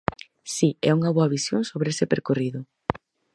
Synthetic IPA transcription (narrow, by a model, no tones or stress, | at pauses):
siɛuŋɐβoaβisjoŋsoβɾeesɪpeɾkoriðʊ